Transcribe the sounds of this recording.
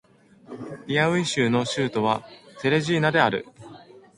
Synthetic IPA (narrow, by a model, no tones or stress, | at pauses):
ɾʲiaɯ̟iɕɨːno̞ɕɨːt̪o̞β̞ase̞ɾe̞ʑiːnad̪e̞aɾɯ̟̰